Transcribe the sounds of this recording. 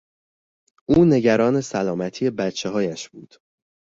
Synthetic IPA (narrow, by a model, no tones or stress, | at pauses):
ʔuːne̞ɟæɾɒːne̞sælɒːmæt̪ʰiːe̞bæt̪t͡ʃʰeɦɒːjæʃbṵːd̪̥